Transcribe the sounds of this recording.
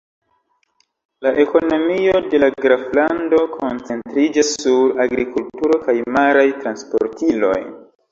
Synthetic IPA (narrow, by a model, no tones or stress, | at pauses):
laʔe̞ko̞no̞mio̞de̞laɡɾaflando̞kʰo̞nt͡se̞ntɾid͡ʒasːuɾaɡɾikultuɾo̞kajmaɾajtɾanspo̞̰ɾtʰilo̞̰j